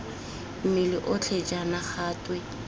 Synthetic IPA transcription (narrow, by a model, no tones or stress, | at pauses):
m̩mɪlɪʔʊt͡ɬʰet͡ʃʼanaχaːtʼwe